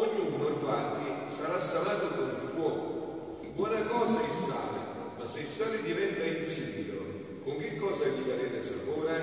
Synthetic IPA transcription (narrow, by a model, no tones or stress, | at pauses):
oɲːuːnoiɱfant̪isaɾasːalaːt̪ʊkʊmilfwɔːkʊ | kibːwɔːnakɔːsaisaːlɪ̰ | masːɪisaːlɪd̪ivɛnt̪ainsibit̪o̰ | kʊŋk̟ikːɔːzaʎːiɡ̪aɾeːt̪ɪsapuːɾe